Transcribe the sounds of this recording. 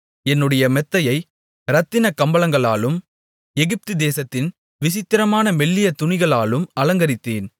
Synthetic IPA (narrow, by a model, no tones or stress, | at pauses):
ɛnːɯɽɐjɐmɛt̪ːɐjɐɪ | ɾɐt̪ːɪnɐkːɐmbɐlɐŋɡɐɭaːlɯm | ɛɣɪp̚t̪ɯd̪eːsɐt̪ːɪn | ʋɪsɪt̪ːɪɾɐmaːnɐmɛɭːɪjɐt̪ʊɳɪɣɐɭaːlɯmɐlɐŋɡɐɾɪt̪ːḛːn